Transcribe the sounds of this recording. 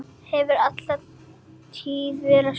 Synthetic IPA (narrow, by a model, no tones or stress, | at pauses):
hɛvʏɾat̪la | t̪ʰiːðvɛːɾa